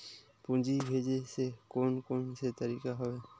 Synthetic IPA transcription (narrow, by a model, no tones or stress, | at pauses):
pũnd͡ʒibʱeːd͡ʒesekoːnkoːnset̪əɾikaɦoe